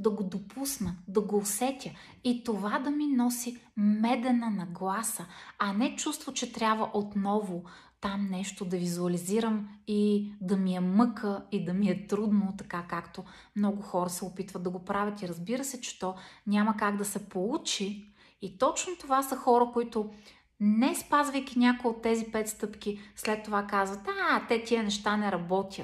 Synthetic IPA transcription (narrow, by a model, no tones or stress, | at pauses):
d̪ɐɡod̪opʰusnəd̪ɐɡoːsɛt̪ʲə | it̪ovad̪ɐminɔsimɛd̪ɛnɐnɐɡlˠasəɐnɛt͡ʃust̪vot͡ʃɛt̪ɾʲabvɐʔot̪nɔvo | t̪amnɛʃt̪od̪ɐvizuɐliziɾəmid̪ɐmiɛmɤkəid̪ɐmiɛt̪ɾud̪not̪ɐkakakt̪o | mnɔɡʊxɔɾəsɛopit̪vəd̪ɐɡopɾavʲət̪iɾɐzbiɾəsɛt͡ʃɛ̥t̪ɔnʲamɐkaɡd̪ɐsɛpolˠut͡ʃiː | t̪ɔt͡ʃnot̪ovasəxɔɾəkoit̪ʊ | nɛspazvəjkʲinʲakojot̪ːɛzipɛt̪st̪ɤpkʲislɛt̪ːovakazvɐt̪at̪ɛt̪ʲiənɛʃt̪anɛɾɐbɔt̪ʲiət̪